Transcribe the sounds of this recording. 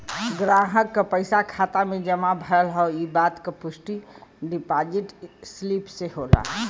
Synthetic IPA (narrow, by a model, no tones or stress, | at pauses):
ɡɾaɦəkːəpəɪsakʰat̪amed͡ʒəmabʱəəlɦɔibat̪kepusʈiɖipad͡ʒiʈslipseɦola̰ɦ